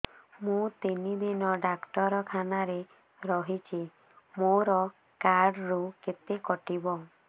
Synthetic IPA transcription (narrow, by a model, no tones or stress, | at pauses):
mũt̪inid̪inɔɖakʈɔɾɔkʰanaɾe | ɾɔɦit͡ʃʰi | moɾɔ | kaɾɖɾuket̪ekɔʈibɔ